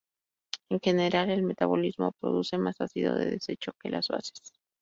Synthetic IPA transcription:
eŋxe̞ne̞ɾale̞lme̞t̪aβo̞lizmo̞̰pɾo̞ðuse̞masasiðo̞̰ðe̞̰ðese̞t͡ʃo̞ke̞lʔazβa̰se̥s

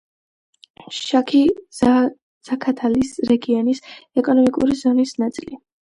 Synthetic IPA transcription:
ʃakʰi | z̥akʰat̪ʰalisɾɛɡiɔnisɛkʼɔnɔmikʼṵɾizɔnisnat̪sʼili

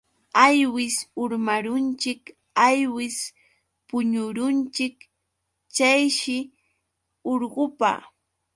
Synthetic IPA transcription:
ajwɪsʊɾmaɾʊnt͡ʃɪk | ajwɪs | pʊɲʊɾʊnt͡ʃɪk | t͡ʃajʃɪ | oɾɢʊpa̰

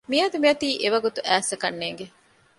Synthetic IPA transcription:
miɐɐd̪umiɐt̪iːʔeʋɐɡut̪uʔæːsɐkɐnːeːŋɡe

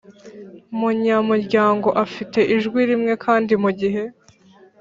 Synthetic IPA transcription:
umuɲamuɾɟaːŋɡo̞ʔafite̞ʔiʒɡwiɾimŋe̞kʰaːndimuɟiɦe̞

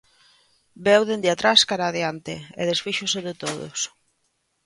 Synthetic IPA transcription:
bɛwðend̪eat̪ɾaskaɾaðeant̪eḛðesfiʃʊseðet̪oðʊ̰s

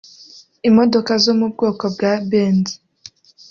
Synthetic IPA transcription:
imodokazomub̚ɡoːkobɡabeːndi̥

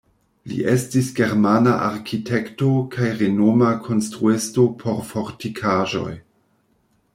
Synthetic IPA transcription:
lḭʔe̞stisɡe̞ɾmanaʔaɾkʰitʰe̞kto̞kʰajɾenomakʰo̞nstɾuesto̞pʰo̞ɾfo̞ɾtikʰaʒo̞̰j

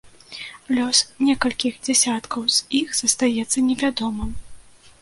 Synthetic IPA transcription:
lʲɔsnʲɛkɐlʲkʲixd͡zʲɛsʲat̪kʰɐwz̥ixz̥ɐst̪ajɛt̪sːɐnʲɛvʲad̪ɔmɨm

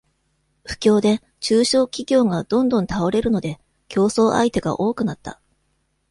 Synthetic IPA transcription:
ɸɯ̟̥kʲo̞ːd̪e̞ | t͡ɕɨːɕo̞ːkʲiɡʲo̞ːŋad̪̥õ̞nd̪õ̞nt̪ao̞ɾe̞ɾɯ̟no̞d̪e̞ | kʲo̞ːso̞ːʔa̰it̪e̞ɡa̰ʔo̞ːkɯ̟nat̪ːa̰

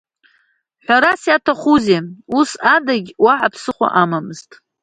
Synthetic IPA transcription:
ħʷaɾasjatʰaχuzeusadaɡʲwaʕapʰsɨχʷa̰ʔamamɨztʼ

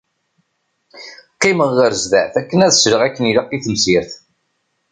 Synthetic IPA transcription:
qːiməʁːəɾzðæʕθækːənæðsɾəʁækːənilaqːiθəmsiɾθ

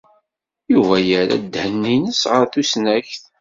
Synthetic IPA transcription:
juvæjəɾæ̰d̪hənːinəsʁəɾθusnæçθ

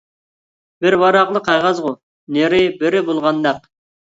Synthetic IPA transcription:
bɪɾwɑɾɑqlˠəqʰɑjʁɑzʁʊ | neɾɪbɪɾɪbolˠʁɑnd̪ɑq

